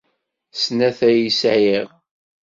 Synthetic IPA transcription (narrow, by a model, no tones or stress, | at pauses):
snæθæjisʕiʁ